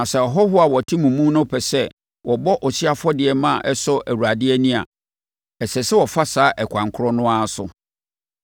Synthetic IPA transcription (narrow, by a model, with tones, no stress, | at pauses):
nã˨sɛ˨ɔ˨ɦɔ˦hʊ˦a˨wɔ˨tʰi˦mũ˨mũ˦nʊ̃˦pʰɛ˨sɛ˦ | wʔɔ˨bɔ˦ʔɔ˨si˦a˦fɔ˦dɪ˨ɛ˨mã˦˨ʔɛ˦sɔ˦ʔæ˨wu˨a˨dɪ˦ɛ˦nĩ˦a̰˨ | ɛ˨sɛ˨sɛ˦wɔ˨fa˦saː˨˦ʔɛ˨kʷʰã˨ŋkʰʊ˦ɾɔ˦nʊ̃˦a˦sʊ̰˨